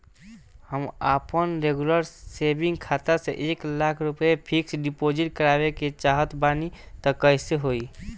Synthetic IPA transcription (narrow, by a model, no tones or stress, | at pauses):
həmaːpənɾeɡuləɾseːbɪ̃ŋɡkʰaːt̪aseʔeːklaːkʰɾʊpepʰɪksɖɪpoːd͡ʒɪʈ̚kəɾaːweket͡ʃaːɦət̪baːnit̪ɔkəɪseɦoːi